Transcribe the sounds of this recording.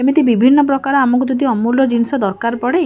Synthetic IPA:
emit̪ibibʱinːɔp̬ɾɔkaɾɔamɔŋk̬ud͡ʒɔd̪ʱiɔmulɔd͡ʒinisɔd̪ɔɾkaɾpɔɽe

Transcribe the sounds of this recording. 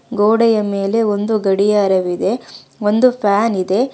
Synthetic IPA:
ɡoːɽɛjɐme̞ːle̞ond̪uɡɐɽijɐːɾɐʋid̪e̞ond̪upʰaːnid̪e̞

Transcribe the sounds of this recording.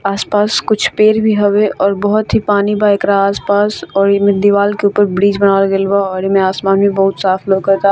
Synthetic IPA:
aːspaːskʊt͡ʃʰpeːɾbʱiɦoʋeɔːɾbɐɦʊt̪ɦipaːnibaɪkɾaaːspaːsɔːɾjɪmẽd̪iʋaːlkeuːpəɾbɾiːd͡ʒbɐnaːlɡelbaɔːɾemẽaːsmaːnbʱĩbɐɦʊt̪saːfloːɡkɐɾt̪a

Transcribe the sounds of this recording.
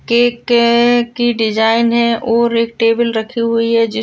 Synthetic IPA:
kekekiɖɪd͡ʒaːɪnɦɛ̃ʔɔːɾeːk̚ʈeːbəlɾɐkʰiɦʊiɦɛd͡ʒɪ

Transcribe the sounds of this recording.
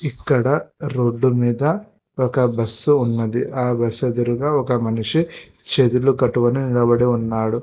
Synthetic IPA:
ikːɐɽɐɾo̞ːɖːumiːd̪ɐ | ɔkɐbɐsːuːnːɐd̪iʔaːbɐsɐd̪iɾuɡaɔkɐmɐnuʂit͡ʃet̪ulukɐʈuʋɐniniɭɐbɐɽeunːaːɽu

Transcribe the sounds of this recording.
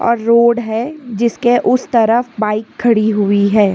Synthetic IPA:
ɔ̰ːɾːoːɖɦɛd͡ʒɪskeʔʊst̪ɐɾəfbaːɪkʰːɐɽiɦʊiɦɛː

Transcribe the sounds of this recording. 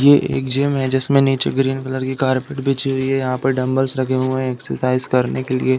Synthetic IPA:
jeʔḛːkd͡ʒeːmɦɛd͡ʒɛsmẽniːt͡ʃeɡɾiːnkɐləɾkikaːɾpeʈbeːt͡ʃeɦiɛjɐɦãpɐɾɖɐ̃mbəlsɾɐkʰeɦuẽeːksəɾsaːɪzkɐɾnekelḭe

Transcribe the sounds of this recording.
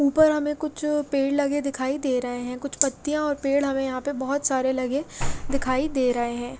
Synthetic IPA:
uːpəɾɦɐmẽkʊt͡ʃʰpeːɽlɐɡed̪ɪkʰaːid̪eːɾɐɦeɦɛ̃kʊt͡ʃʰpɐt̪ːijãɔːɾpeːɽɦɐmẽjɐɦãpebɐɦʊt̪saːɾelɐɡed̪ɪkʰaːid̪eːɾɐɦeɦɛ̃ː

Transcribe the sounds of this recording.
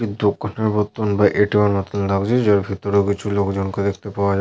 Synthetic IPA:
id̪d̪okʰːoneɾbot̪ːonbaʔeʈiwanmɔt̪onlaɡd͡ʑed͡ʑaɾbʱit̪ːoɾokit͡ɕʰulokd͡ʑonked̪ek̚ʰt̪epaoad͡ʑa

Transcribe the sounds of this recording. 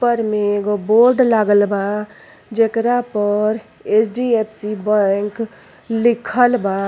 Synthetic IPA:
pəɾmẽɡoboɾɖlaɡəlba | d͡ʒekɾapəɾ | et͡ʃʰɖiepʰsibəŋk | likʰəlba

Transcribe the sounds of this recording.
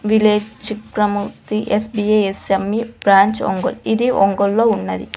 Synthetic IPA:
ʋileːt͡ʃikɾɐmut̪iʔesbieesemːib̥ɾaːɲt͡ʃɔ̰ŋɡo̰lid̪iʔɔŋɡolːoːunːɐd̪ḭ

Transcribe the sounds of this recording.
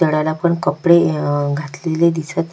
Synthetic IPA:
əɽalapəɳkəpɽeɡʱat̪leled̪isət̪

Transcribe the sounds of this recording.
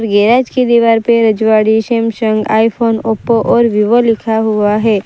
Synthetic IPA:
ɾɡɛːɾaːd͡ʒkid̪iʋaːɾpeɾɐd͡ʒʋaːɽiʃeːmʃə̃ŋɡa̰ːipʰoːnoːpoʔɔːɾʋiʋəlɪkʰaɦuaɦɛː

